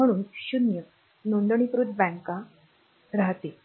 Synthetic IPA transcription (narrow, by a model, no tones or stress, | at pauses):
əɽ̃uːnɕunjə | noɳɖəɳ̃ipɾuːd̪bɛ̃ŋka | ɾaɦt̪e